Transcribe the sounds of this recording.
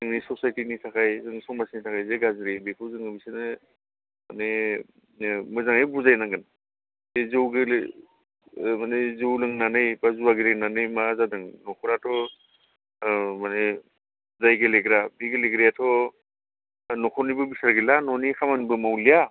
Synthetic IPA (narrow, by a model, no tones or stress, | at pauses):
zɯŋnisɔsajtinitʰakʰajzɯŋsɔŋmasnitʰakʰajzeɡazɾebekʰɯwzɯŋɯbisenɯ | mane | mɯzaŋejbuzajnaŋɡɯn | zezɯwɡe | manezɯwlɯŋnanɯjbazuaɡeleŋnanɯjmazadɯŋnɔkʰɔɾatʰɔ | mane | zajɡeleɡɾabiɡeleɡɾijatʰɔ | nɔkʰɔnibɯbisaɾɡilanɔnikʰamanibɯmawlija